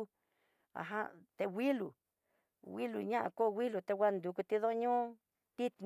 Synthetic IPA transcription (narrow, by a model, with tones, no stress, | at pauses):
a̰˨ɦa̰˦t̪e˧wʷi˦lu˨ | wi˦lu˨ɲã˦ʔã̰˧ko˦˧wi˦lu˨t̪e˧wʷa˦˧nd̪u˧ku˧t̪i˧ðo˦ɲũ˦˧ | t̪i˦t̪n